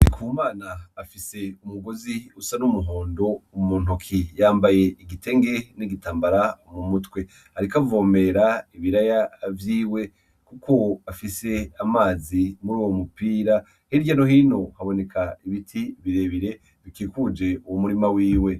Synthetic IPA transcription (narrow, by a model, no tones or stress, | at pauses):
ikʰuːmaːnaːfise̞umuɡoziusanumuɦoːndo̞umuːn̥ukʰijaːmbaje̞iɡite̞ŋɡe̞niɡitaːmbaɾamumutwe̞ | haɾikavoːme̞ɾaiβiɾajavjiːwe̞ | kukʰo̞afise̞amaːzimuɾuːwo̞mupiːɾa | heiɟanoɦiːno̞haβo̞ne̞kʰaiβitʰiβiɾe̞βiɾe̞ | βikiːkud͡ʒe̞uwomuɾimawiːwe̞